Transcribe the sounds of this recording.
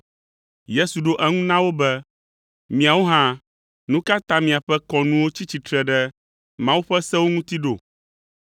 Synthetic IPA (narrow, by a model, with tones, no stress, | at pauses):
je˦su˨ɖo˦ʔɛ˦ŋũ˦nã˦wo˦bɛ˦ | mĩ˨a˨wo˦ɦã˦ | nũ˦ka˦t̪ã˦mĩ˨a˨ɸɛ˦kɔ˨nũ˦wo˦t͡ɕi˦t͡ɕi˨t̪ɾɛ˨ɖɛ˦ | mã˦wu˦ɸɛ˦sɛ˦wo˦ŋũ˦t̪i˦ɖo̰˨